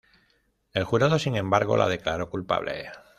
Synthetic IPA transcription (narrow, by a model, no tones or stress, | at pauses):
e̞lxuɾað̞o̞siŋẽ̞mbaɾɣo̞̰lʔa̰ð̞e̞klaɾo̞kulpa̰βlḛ